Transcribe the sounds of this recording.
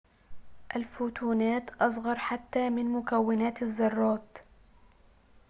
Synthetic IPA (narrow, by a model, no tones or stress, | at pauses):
ʔalfuːt̪uːnaːt̪ʔɑsˤɣɑɾˤħat̪ːaːmɪnmʊkawːɪnaːt̪azːɑrˤːɑːt̪